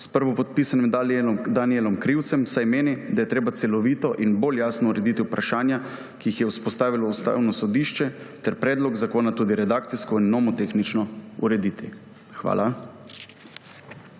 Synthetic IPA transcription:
spəɾʋɔpɔt̪̚piːsanimd̪anielɔmkɾiwt̪sɛmsajmeːnid̪ajɛt̪ɾeːbat̪sɛlɔʋiːt̪ɔʔinboljaːsnɔuɾɛd̪it̪iupɾaʃaːnja | kijixjɛuspɔst̪aːʋilɔust̪a̰ːwnɔsɔd̪iːʃt͡ʃɛt̪ɛɾpɾɛːd̪lɔɡzakoːnat̪uːd̪iɾɛd̪aːkt̪siskɔinːɔmɔt̪exnit͡ʃnɔṵɾɛd̪iːt̪i | xʋa̰ːlʔa

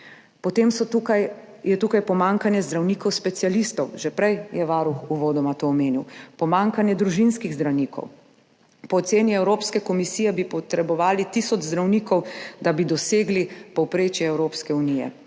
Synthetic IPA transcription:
pɔt̪emsɔukaj | jɛt̪ukajpɔmaŋkanjɛzd̪ɾawniːkɔwspɛt̪sjalist̪ɔwʒɛpɾɛjjɛʋaːɾuxuʋoːd̪ɔmat̪oːmeːniwpɔmaŋkanjɛd̪ɾuʒinskiɣzd̪ɾawniːkʰɔ̰w | pɔːt̪seːniɛwɾoːpskɛkɔmisiːjɛbipɔt̪ɾɛbɔʋaːlit̪isɔd͡ʒzd̪ɾawniːkɔwd̪abid̪ɔseːɡlipɔwpɾeːt͡ʃjɛɛwɾoːpskɛunijɛ̰

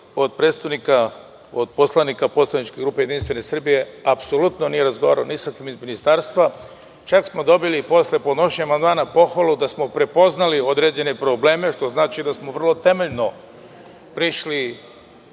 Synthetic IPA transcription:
o̞d̪̚pɾed̪st̪aʋnika | od̪̚po̞slˠanikapo̞tslanit͡ʃkeɡɾuːpejeinst̪ʋene̞sr̩bije̞apso̞lut̪no̞nije̞ɾazɡo̞aːɾaonisakimizminist̪aɾst̪ʋa | t͡ʃaksmo̞d̪o̞bilipo̞sle̞po̞d̪no̞ʃɲeamand̪maːnapo̞xʋalud̪asmo̞pɾe̞po̞znalio̞d̪ɾed͡ʑe̞ne̞pɾo̞ble̞ːme̞ʃt̪o̞znaːt͡ʃid̪asmoʋr̩lo̞t̪e̞me̞ʎno̞ | pɾiʃli

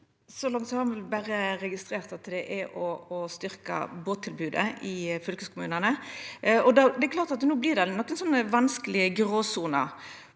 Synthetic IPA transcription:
sɔlɑŋt̪sɔhɑɾmʋlbæɾəʁɛɡɪst̪ɾeːʁt̪ɑt̪ːəd̪ɛʔæʔɔːst̪ʏɾkə̰boːt̪ʰːɪlbʉːd̪ə̰ɪfʏlkəskʰʊmʉːnənə | ɔd̪ɑd̪ɛɛkʰlɑːʁt̪ɑt̪nuːblɪʁd̪ɛnɔkːənsɔnːəʋɑnskəlɪəɡʁoːsuːnə̰

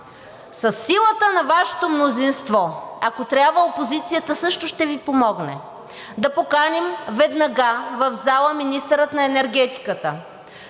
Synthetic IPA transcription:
sɐsːilˠət̪ənɐvaʃɛ̥t̪omnozinst̪vɔɐkot̪ɾʲabvəopozit̪sijət̪əsɤʃt̪ʊʃt̪ɛvipomɔɡnɛ | d̪ɐpokanɛmvɛd̪nɐɡavɐvzalˠəminist̪əɾət̪nɐɛnɛɾɡɛt̪i̥kət̪ə

